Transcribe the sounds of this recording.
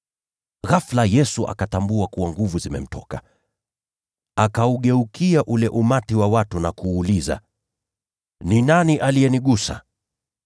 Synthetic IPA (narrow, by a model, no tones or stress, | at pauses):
ɣaflajɛsuʔa̰katambuakuwaŋɡuvuzimɛ̰m̩tʰɔka | akauɠɛukiaʔulɛʔumatiwawatunakuːliza̰ | ninaniʔaliɛniɠusa̰